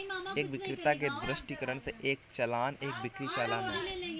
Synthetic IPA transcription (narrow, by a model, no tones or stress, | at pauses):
eːk̚bɪkɾɪt̪ak̬ed̪ɾɪʃʈikəɾəɳseʔeːk̚t͡ʃɐlaːneːk̚bɪkɾit͡ʃaːlaːnaː